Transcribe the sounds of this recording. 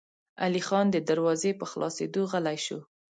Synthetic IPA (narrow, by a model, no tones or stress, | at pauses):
a̰lixɑnd̪əd̪aɾwɑzepəxlɑ̰sed̪oɣəlajʃṵ